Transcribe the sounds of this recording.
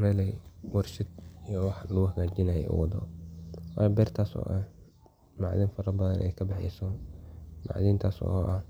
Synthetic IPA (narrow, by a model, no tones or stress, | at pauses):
ɾɛːlɛjwɐrʃɪd̪ijɔwɑħlʊʊɦɐɡaːd͡ʒɪnaːjɛ̰ʔʊ̰wɐðɔ̰ːwa̰ːjbɛːrt̪ʰaːsɔ̰ːʔɐh | maʕðɪːnfɐɾɐbɐðɐnʔɛ̰jkʰɐbɪħɛ̰sɔːmʔa̰ʕðiːnt̪ʰaːsɔ̰ɔʔɐh